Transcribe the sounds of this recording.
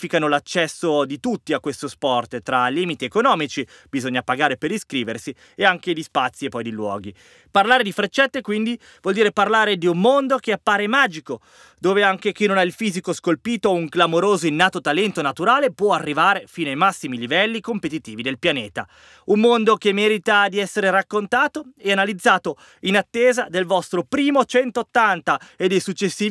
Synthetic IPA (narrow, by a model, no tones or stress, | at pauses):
fikanolat͡ʃːɛsːod̪it̪ut̪ːiakːwest̪ospɔrt̪t̪ːɾaliːmit̪iekonɔːmit͡ʃi | b̥izoɲːapaɡaːɾepeɾiskɾiːversi | eaŋk̟ed̪ispat̪sːiepːɔjd̪ilwɔ̰ːɡi | parlaːɾed̪ifɾet͡ʃːɛt̪ːekwind̪i | vwɔld̪iːɾeparlaːɾed̪iumːond̪ok̟eapːaːɾemaːd͡ʒiko | d̪oːveaŋk̟ek̟inːonailfiːzikoskolpiːt̪ouŋɡlamoɾoːzoinːaːt̪ot̪alɛnt̪onat̪uɾaːlepwɔarːivaːɾefiːnoajmasːimilivɛlːikompet̪it̪iːvid̪elpjaneːt̪a̰ | ummːond̪ok̟emːɛːɾit̪ad̪iɛsːeɾeɾakːont̪aːt̪oeanalid̪zːaːt̪o | inat̪ːeːzad̪elvɔst̪ɾopɾiːmot͡ʃɛnt̪oːt̪ːant̪aed̪ejsut͡ʃːesːiː